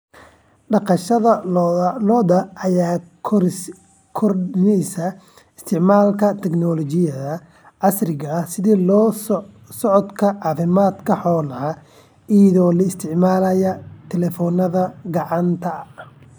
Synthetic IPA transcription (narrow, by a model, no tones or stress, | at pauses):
ɖɑqɑʃɐðɐlɔd̪ɐɐjaː | kʰɔrnɛjsɐ | ɪ̥st̪ʰɪʕmaːlkʰɐt̪ʰɛɡnɔlɔt͡ʃɪjɐðɐ | ʕɑsrɪɣɐsɪðiːl | sɔʕɔd̪kʰɐʕɑːfɪmaːd̪kʰɐħɔːlɐɐ | ijɐðɔːlɐɪst̪ʰɪʕmaːlɐjɐt̪ʰɛlɛfɔːnɐðɐɡɑʕɑnt̪ʰɐ